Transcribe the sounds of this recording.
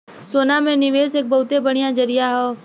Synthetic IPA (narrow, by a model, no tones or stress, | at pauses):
soːnamẽnɪʋeːseːk̚bɐɦʊt̪ebəɽ̃ijãd͡ʒɐɾijaɦoː